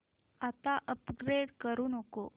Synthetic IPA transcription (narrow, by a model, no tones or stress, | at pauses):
at̪aʔəpɡɾeɖkəɾuːnəko